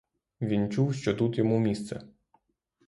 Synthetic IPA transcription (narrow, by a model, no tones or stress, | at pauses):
ʋʲint͡ʃuwʃt͡ʃɔt̪ut̪jɔmumʲist̪sɛ